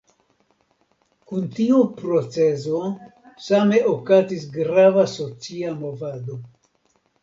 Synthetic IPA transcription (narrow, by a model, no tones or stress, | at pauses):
kuntiupɾo̞t͡se̞zo̞ | same̞ʔokazis̬ɡɾavaso̞t͡siamo̞vado̞